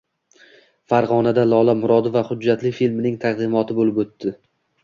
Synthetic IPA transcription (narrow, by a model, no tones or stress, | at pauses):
faɾʁɒnad̪alˠɒlˠamʊɾɒd̪ɪvaχʊd͡ʒːat̪lɪfilmnɪŋt̪ʰaqd̪ɪmɒt̪ʰɪbolɪpot̪ːɪ